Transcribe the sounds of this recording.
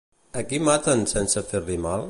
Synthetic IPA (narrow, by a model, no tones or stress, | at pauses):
əkimat̪ənsɛnsəfeɾlimalˠ